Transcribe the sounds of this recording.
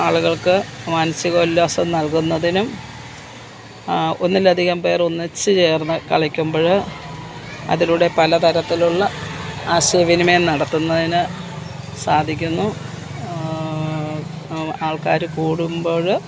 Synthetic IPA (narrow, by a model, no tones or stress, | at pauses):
aːɭuɣɐɭkɨmaːnɐsiɣɐːlːoːsɐmnɐlkunːɐðinum | o̞nːilːɐd̪ʱiɣɐmpe̞ːro̞nːit͡ɕːɨt͡ɕe̞ːrnɨkɐ̰ɭɐkʲːumboːɻɨ | ɐ̰ðiluɽe̞pɐlɐt̪ɐɾɐt̪ːiluɭːɐaːɕeʋinumenɐɽɐt̪ːunːɐðinɨ | saːd̪ʱikʲːunːu | aːɭkaːɾɨkuːɽumbo̞ːɻ